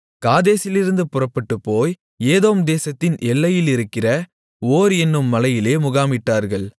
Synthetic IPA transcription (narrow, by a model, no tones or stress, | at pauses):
kaːðeːsɪlɪɾɯnd̪ɯpʊrɐpːɐʈːɯpːoːj | eːðoːmd̪eːsɐt̪ːɪnʔɛlːɐjɪlɪɾɯkːɪrɐ | oːɾɛnːɯmːɐlɐjɪleːmʊɣaːmɪʈːaːɾɣɐɭ